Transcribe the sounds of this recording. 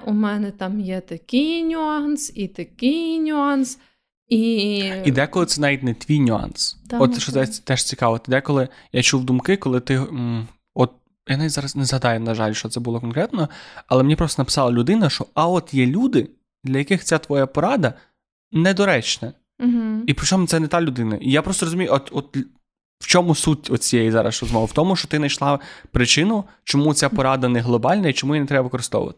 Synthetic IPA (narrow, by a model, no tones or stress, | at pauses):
umɛnɛt̪ɑmjɛt̪ɐkʲɪjnʲʊɑnsit̪ɐkʲɪjnʲʊɑns | iid̪ɛkɔlˠɪt̪sɛnɑʋʲit̚ʲnɛt̪ʲʋʲijnʲʊɑ̰nst̪ɔt̪ʃɔɛt̪ɛʃt͡sʲikɑʋɔt̪ɪd̪ɛkɔlˠɪjat͡ʃuwd̪umkɪkɔlˠɪt̪ɪɦ | ɔt̪̚ | jɐnɛzɑɾɐsnɛzɦɐd̪ɑjɛnɐʒɑlʲʃt͡ʃɔt̪sɛbʊlˠɔkɔnkɾɛt̪nɔɐlˠɛmnʲipɾɔst̪ɔnɐpɪ̥sɑlˠɐlʲʊd̪ɪnɐʃt͡ʃɔɐɔt̪jɛlʲud̪ɪ | d̪lʲɐjɐkɪxt͡sʲat̪ʋɔjapɔɾɑd̪ɐ | nɛd̪ɔɾɛt͡ʃnɐ | ɦ̩ipɾɪt͡ʃɔmʊt̪sɛnɛt̪ɑlʲʊd̪ɪnɐʔijapɾɔst̪ɔɾɔzʊmʲijɔt̪ɔt̪̚ | wt͡ʃɔmʊsutʲɔt̪̚t͡sʲijejizɑɾɐ̰srɔzmɔʋɪwt̪ɔmʊʃt͡ʃɔ̥t̪ɪnɐjʃlˠɑpɾɪt͡ʃɪnʊ | t͡ʃɔmut͡sʲapɔɾɑd̪ɐnɛɦlˠɔbɑlʲnɐit͡ʃɔmujinɛt̪ɾɛbɐʋɪkɔɾɪst̪ɔ̰ʋʊ̰ʋɐ̰t̪ɪ̥